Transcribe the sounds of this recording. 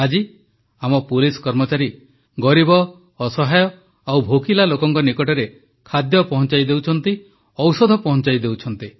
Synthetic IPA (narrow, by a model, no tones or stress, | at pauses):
ad͡ʒi | amɔpulisɔ̥kɔɾmɔt͡ʃaɾi | ɡɔɾibɔː | sɔɦajɔ | awbʱokilalokɔŋkɔnikɔʈɔɾe | kʰad̪jɔpɔɦɔ̃nt͡ʃajd̪ewt͡ʃʰɔnt̪i | ɔwsɔd̪ʱɔpɔɦɔnt͡ʃajd̪ewt͡ʃʰɔnt̪i